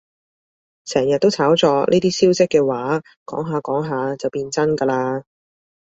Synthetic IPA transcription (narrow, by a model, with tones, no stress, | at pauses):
sɛː˨˩ŋjɐ˨t̚t̪ːo˥wt͡sʰaː˨˥wt͡sɔː˨˧nʔḭː˥t̪iː˥siː˥wsɪ˥kːɛː˧waː˨˥ | kɔ̰ː˨˥ŋɦaː˨˧kɔː˨˥ŋɦaː˨˧t͡sɐ˨wpiː˧nt͡sɐ˥nkɐː˧laː˧